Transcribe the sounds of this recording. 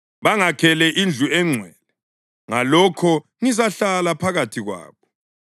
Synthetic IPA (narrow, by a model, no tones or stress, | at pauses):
βaŋakʰɛlɛʔind͡ɮʱuɛŋ͡ǀʱwɛːlɛ | ŋalɔkʰɔ | ŋizaɬalapʰaɣatʰiɣwa̰ːβɔ